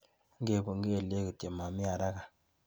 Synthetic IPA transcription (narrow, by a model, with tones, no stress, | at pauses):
ŋɡe˨bo˨ŋ˦ɡe˦˨le˦ki˨te˨ma˨mi˦a˨ɾa˦ka˨